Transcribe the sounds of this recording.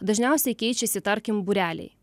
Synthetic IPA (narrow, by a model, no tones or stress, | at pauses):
d̪ɐʒʲnʲɛˑʊsʲɛɪkʲɛɪt͡ʃʲɛsʲɪt̪ɐɾʲkʲɪmbuɾʲæːlʲɛ̰ɪ